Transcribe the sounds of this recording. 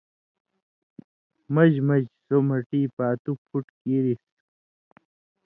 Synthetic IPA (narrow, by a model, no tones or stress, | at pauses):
mɐd͡ʑmɐd͡ʑsomɐʈiːpaːt̪upʰuʈkiːɾis